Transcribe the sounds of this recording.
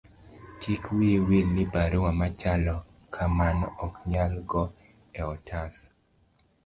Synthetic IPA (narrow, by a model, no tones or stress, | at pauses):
tikwiewilnibaɾowamat͡ʃalɔ | kʰamanɔkɲalɡɔ | ɛɔtʰas